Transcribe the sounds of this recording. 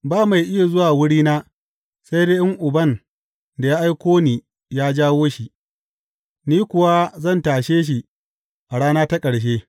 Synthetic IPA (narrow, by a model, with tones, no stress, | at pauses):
baː˦ma˨jʔɪ˦ja˨zʊ˦waː˨wʊ˦ɽiː˦naː˦ | sa˦jdeː˦ʔɪ˦ŋʔʊ˨bɐ˦˨n | da˨jaː˦ʔa˦jkʷoː˦niː˨ | jaː˦d͡ʒaː˦woː˦ʃi˨ | niː˦kʷʊ˨wa˦zɐ˦˨ntaː˨ʃeː˦ʃ̬i˨ | ʔa˨ɽaː˦naː˦ta˦kʼɐ˨ɽʃ̬eː˦